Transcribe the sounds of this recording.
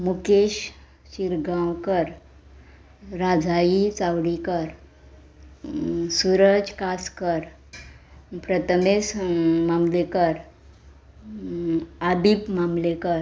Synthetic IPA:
mukeɕ | ɕiɾɡãwkəɾ | ɾad͡zʱajit͡sawɽikəɾ | suɾəd͡ʒkaskəɾ | pɾət̪ʰəmesmamlekəɾ | ad̪ipmamlekəɾ

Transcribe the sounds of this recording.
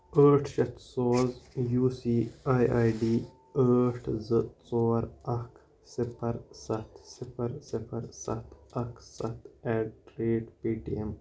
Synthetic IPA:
əːʈʰʃɐt̪soːzjuːsiːaːjʔaːjɖiː | əːʈʰzɨt͡soːɾɐk | sipɐɾsɐt̪sɪpʰɐɾsɪpʰɐɾsɐ̰t̪ʰɐksɐt̪ʰɛɖ̚ʈɾeːɖpiːʈiem

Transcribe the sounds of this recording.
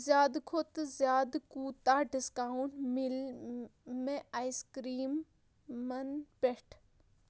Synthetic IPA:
zjaːd̪kʰot̪zjaːd̪kuːt̪aːɖɪskaːʊɳʈmɪl | mẽaiskɾiːmː | ɐnpeʈʰ

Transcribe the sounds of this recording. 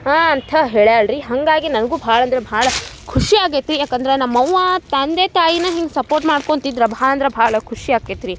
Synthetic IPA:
aːɐnt̪ʰɐɦeːɭjaːɭɾiɦɐŋɡaːɡinɐnɐɡuːbʱaːɭɐnd̪ɾebʱaːɭɐkʰuʂiaːɡeːt̪ɾijaːkɐnd̪ɐɾenɐmːɐwːɐt̪ɐnd̪eːt̪aːjinɐɦiŋɡesɐpoːɾʈmaːɖkont̪id̪ɾɐbʱaːɭɐnd̪ɾebʱaːɭɐkʰuʂiaːɡeːt̪ɾi

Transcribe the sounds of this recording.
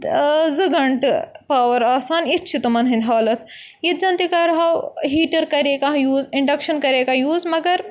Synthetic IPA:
zɨɡɐɳʈpaːʋɐɾaːsaːnit̪t͡ʃʰit̪umɐnɦĩd̪ʱaːlɐt̪ | jit̪̚d͡ʒɐnt̪ikɐɾɦawɦiːʈɐɾkɐɾekãjuːziɳɖɐkʃɐnkɐɾekajuːzmɐɡɐɾ

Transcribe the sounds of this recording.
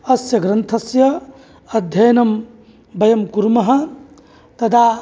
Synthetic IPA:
ɐsjɐɡɾɐnt̪ʰɐsjɐ | ɐd̪ʱjɐjnɐm | bɐjɐmkuɾmɐɦɐ̆ | t̪ɐd̪a

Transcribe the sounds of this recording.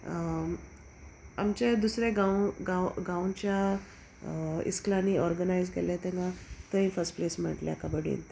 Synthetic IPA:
a̰mt͡ɕed̪usɾeɡãwɡãwɡãwt͡ɕja | ḭsklaniɔɾɡənajzkelet̪eŋɡãt̪əĩfəɾsʈplesm̤ə̰ʈlḛa̰kabəɽḭnt̪

